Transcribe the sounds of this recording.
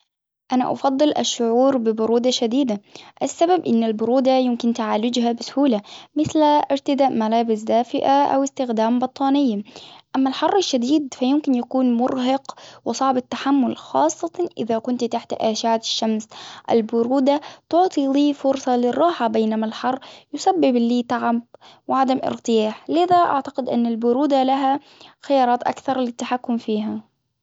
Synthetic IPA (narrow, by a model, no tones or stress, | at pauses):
ʔana̰ʔɑ̰fɑd̪ˤːɨlʔa̰ʃːʊʕuːɾbɪbʊɾuːd̪aʃad̪iːd̪aʔasːababʔɪnːalbʊɾuːd̪ajʊmkɪnt̪aʕaːlʊd͡ʒɦabɪsʊ̥huːlamɪθlʔɪɾt̪ɪd̪aːʔmalaːbɪsd̪aːfɪʔaʔa̰wɪst̪ɪxd̪aːmbɑt̪ˤːɑːnɪjːaʔamːalħɑrˤːaʃːad̪iːd̪fajʊmkɪnjakuːnmʊɾɦɑqwɪsˤɑʕbat̪ːaħamːʊlxɑːsˤːɑt̪ʔɪ̰ðakʊnt̪t̪aħt̪ʔaːʃaːt̪ɪ̥ʃːamsʔɪ̰lbʊɾuːd̪at̪ʊʕt̪ˤiliːfʊɾsˤɑlɪrˤːɑːħabeːnamalħɑrˤːjʊsabːɪblːiːt̪aʕabwɪʕad̪amʔɪ̰ɾt̪ˤɨjaːħlɪðaʔa̰ʕt̪ḁqɪd̪ʔɪ̰nːalbʊɾuːd̪alaɦa | xɪjɑːɾˤɑːt̪ʔa̰kθɑɾˤlɪt̪ːaħakːʊmfiːɦa